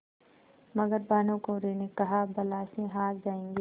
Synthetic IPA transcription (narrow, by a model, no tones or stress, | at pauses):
mɐɡəɾbaːnõkoɾeːnekɐɦabɐlaːsẽɦaːt̪̚d͡ʒaːẽːŋɡeː